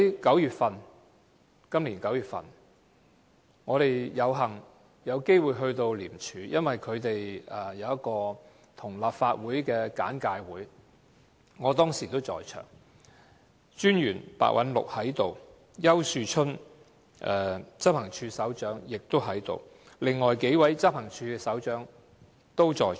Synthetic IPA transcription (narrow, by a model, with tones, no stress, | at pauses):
jkɐ˨˥wjyː˨t̚fɐ˨n | kɐ˥mliː˨˩nkɐ˨˥wjyː˨t̚fɐ̰˨˩n | ŋɔː˨˧ɾe˨jjɐ˨˧wɦɐ˨˩ŋ | jɐ˨˧wke˥jwuː˨˧jɦɵ˧ɥt̪o˧wliː˨˩mt͡ʃʰyː˨˧jɐ˥nwɐ˨jkʰɵ˨˧ɥt̪e˨jɛ˨˩jɐ˨˧wjɐ˥t̚kɔː˧ | t̪ʰʊ˨˩ŋlaː˨p̚faː˧t̚wuː˨˥jkɛː˧ka̰ː˨˥nkaː˧jwuː˨˥j | ɔː˨˧t̪ɔː˥ŋsiː˨˩t̪o˥wt͡sɔ̰ː˧jt͡ʃʰœ̰ː˨˩ŋ | t͡ʃyː˥njyː˨˩npa̰ː˧k̚wʔɐ̰˨˥nlʊ̰˨k̚hɐ˨˥jt̪o˨w | jɐ˥wsyː˧t͡ʃʰɵ˥n | ʔɛː˨˩t͡sɐ˥p̚hɐ˨˩ŋt͡ʃʰyː˧sɐ˨˥wt͡ʃœː˨˥ŋjɪ˨k̚t̪o˥wɦɐ˨˥jt̪o̰˨w | lɪ˨ŋːɔː˨jke˨˥jwɐ˨˥jt͡sɐ˥p̚hɐ˨˩ŋt͡ʃʰyː˧kɛ˧sɐ˨˥wt͡ʃœː˨˥ŋ | t̪o˥wt͡sɔː˧